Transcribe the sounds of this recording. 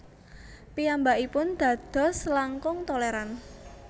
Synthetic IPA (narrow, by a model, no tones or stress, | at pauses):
piambaʔipʊnd̪̥ä̤d̪̥ɔ̤slaŋkʊŋt̪ɔleɾan